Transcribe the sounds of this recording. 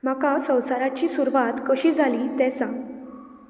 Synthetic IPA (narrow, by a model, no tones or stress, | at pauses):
makasə̃w̃saɾat͡ɕiːsuɾʋat̪kəɕiːd͡zʱalit̪ɛ̃sã